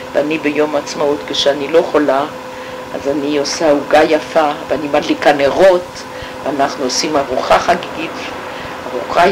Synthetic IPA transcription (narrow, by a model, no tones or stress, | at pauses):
veanibejo̞mat͡smaut̪keʃeanilo̞χola | a̰zaniosauɡajafaveanimadlikaneʁo̞t̪ | veanaχnuosimaʁuχaχaɡiɡit̪ | aʁuχa